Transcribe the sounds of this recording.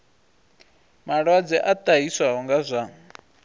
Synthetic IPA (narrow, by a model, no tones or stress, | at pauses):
maɺwad͡zɛʔatʼaɦiswaɦɔŋɡazʷa